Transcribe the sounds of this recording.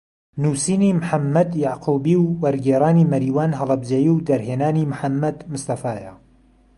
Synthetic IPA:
nuːsiːniːmħamːɐd̪jaʕqʰuːbiːwːɐɾɡeːɾaːniːmɐɾiːwaːnɦɐlˠɐb̚d͡ʒɐjiwd̪ɐɾɦeːnaːniːmħamːɐd̪mʊst̪ɐfaːja

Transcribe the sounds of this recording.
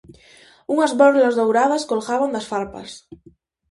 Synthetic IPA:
uŋazβɔɾlazðowɾað̞askolɣaβand̪asfaɾpa̰s

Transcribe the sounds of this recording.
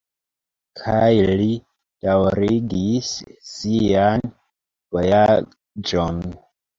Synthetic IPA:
kʰajli | d̥awɾiɡisːian | v̥oja | d͡ʒon

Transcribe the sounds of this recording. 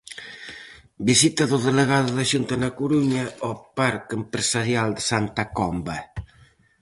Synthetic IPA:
bisit̪aðoðeleɣ̞aðoðaʒunt̪anakuɾuɲaɔpaɾkempɾesaɾjald̪əsant̪akɔmba

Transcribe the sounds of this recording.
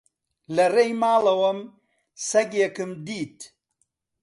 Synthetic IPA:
lɐrejmaːlɐwɐm | sɐɡjekɨmd̪iːt̪

